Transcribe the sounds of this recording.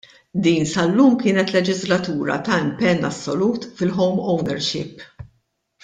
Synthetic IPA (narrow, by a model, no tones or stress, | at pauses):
d̪iːnsɐlːuːmkɪːnɛt̪lɛd͡ʒɪzlɐt̪uːɾɐ̰t̪ɐɪmpɛnːɐ̰sːɔluːt̪fɪlħɔwmɔwnɛ̰ɾʃɪ̰pː